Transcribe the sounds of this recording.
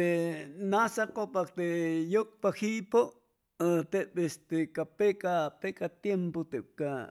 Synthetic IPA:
enasakopak̚t̪eʔjok̚pahiʔpo | t̪eʔpest̪ekapekapekat̪jempot̪eʔp̚ka

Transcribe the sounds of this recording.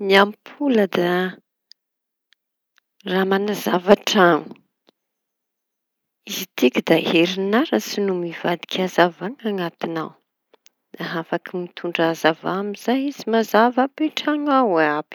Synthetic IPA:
niampʰuləd̪a | ramanazavaʈ͡ʂaŋu̥ | izit̪ikʲid̪aɦeɾinaɾasinumivad̪i̥kʲazavaŋaŋat̪ina̰w | d̪̥aɦafakimit̪ʰuɳɖ͡ʐazavamiz̥ajizimazavapeʈ͡ʂaŋawab̥i̥

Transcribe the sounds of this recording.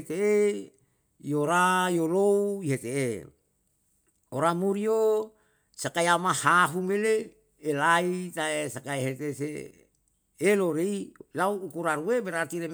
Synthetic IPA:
t̪ee | joɾajolouiɦet̪ee | oɾamuɾio | sakaiamahaɦumeleː | lait̪aesakaeɦet̪ese | eloɾeilauːkuɾaɾuebeɾat̪iɾem

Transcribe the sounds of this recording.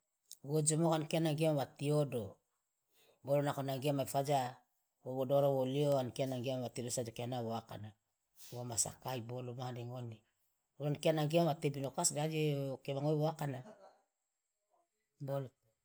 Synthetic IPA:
βod͡ʒomokankeanaŋɡemβatiodo | bolonakonaŋɡemajfad͡ʒa | βoβodoɾoβolioankeanaŋɡemβatidosad͡ʒokeanaβoaka̰na | βomasa̰kajbolomadeŋoni | ɾonkeanaŋɡemβatebinokasdad͡ʒekeβaŋojβoakana | bol

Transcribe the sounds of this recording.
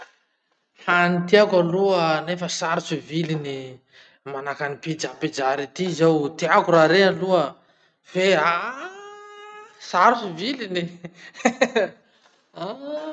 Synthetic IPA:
hanit̪iakaluənefəsaɾut͡suvilini | manakanipid͡ʒapid͡ʒaɾit̪izawt̪iakuɾaɾealuə | v̥ea | saɾut͡sivilini | a

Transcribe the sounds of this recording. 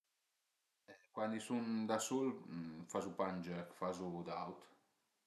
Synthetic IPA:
ɛkwand̪isund̪asulfazupand͡ʒɛkfazud̪awt̪

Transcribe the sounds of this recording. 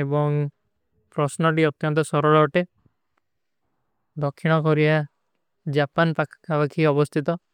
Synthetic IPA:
ebɔŋ | pɾɔsnɔʈ̬iɔt̪jɔnt̪ɔsɔɾɔɭɔːʈe | d̪ɔkʰːiɽ̃ɔkɔɾia | d͡ʒapanpakʰḁkʰabakʰiɔbɔst̪ʰit̪ɔ

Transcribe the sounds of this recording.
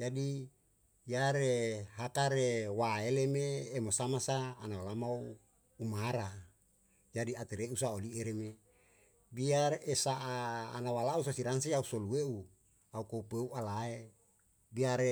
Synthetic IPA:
d͡ʒadi | jaɾeɦakaɾewaelemeːmosamasaːnawalamau | umaɾa | d͡ʒadiat̪eɾeusaolieɾeme | biaresaʔa̰ːnawalausasiɾansiausolueu | aukoupueualae | biaɾe

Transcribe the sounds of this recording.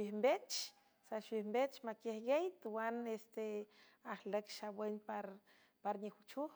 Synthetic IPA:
ʃbihmbet͡ʃ | saʃbihmbet͡ʃmakehɡejt̪wanest̪e | aχləkʃawenpaɾ | paɾnixut͡ʃux

